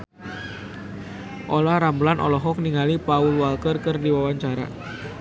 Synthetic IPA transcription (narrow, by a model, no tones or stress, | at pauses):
ʔolahɾamblanʔɔ̰lɔɦɔk̚niŋalipaulwalkərkərdiwawaɲt͡ʃaɾa̰